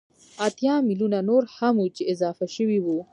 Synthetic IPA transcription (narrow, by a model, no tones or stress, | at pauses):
at̪jɑmilunanoɾhamut͡ʃeɪzɑːfaʃəwiwu